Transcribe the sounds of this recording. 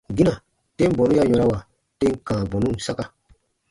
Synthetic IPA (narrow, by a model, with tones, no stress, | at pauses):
ɡi˦ã˨ | tẽ˦m˦bɔ̃˨nũ˦ja˦ɲɔ̃˧ɾa˦wa˨ | tẽ˦ŋ˦kãː˨bɔ̃˨nũ˦˨sa˦ka˨